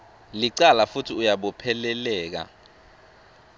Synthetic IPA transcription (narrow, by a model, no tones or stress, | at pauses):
liǀalafutʰiujaɓɔpʰɛlɛlɛːk̬a̰